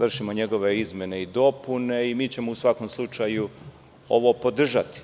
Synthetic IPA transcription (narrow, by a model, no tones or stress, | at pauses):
ʋr̩ʃimo̞ɲe̞ɡo̞ʋe̞izme̞ne̞id̪o̞pune̞imiːt͡ɕe̞mo̞usʋako̞mslˠut͡ʃaju | o̞̰ʋopo̞d̪r̩ʒat̪i̥